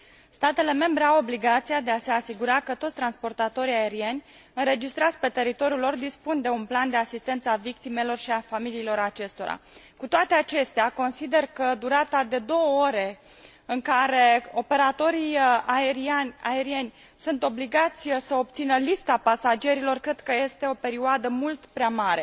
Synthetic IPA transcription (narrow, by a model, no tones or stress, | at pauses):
st̪at̪e̞le̞me̞mbɾe̞awo̞bliɡat̪sijad̪e̞ase̞asiɡuɾakət̪ot̪sʲt̪ɾanspo̞rt̪at̪o̞ɾiae̞ɾie̞nʲ | ɨnɾe̞d͡ʒist̪ɾat̪sʲpe̞t̪e̞ɾit̪o̞ɾijulo̞rd̪ispund̪e̞unpland̪e̞asist̪e̞nt̪səavikt̪ime̞lo̞rʃiafamiliːlo̞ɾat͡ʃe̞st̪o̞̰ɾa̰ | kut̪oat̪e̞at͡ʃe̞st̪eako̞nsid̪e̞rkəd̪uɾat̪ad̪e̞d̪o̞wəoɾe̞ | ɨŋkaɾe̞o̞pe̞ɾat̪o̞ɾijaeɾianʲaeɾie̞nʲ | sunt̪o̞bliɡat̪sʲsəob̚t̪sinəlist̪apasad͡ʒe̞ɾilo̞rkɾe̞d̪kəje̞st̪e̞o̞pe̞ɾiuoad̪əmult̪pɾeamaɾe̞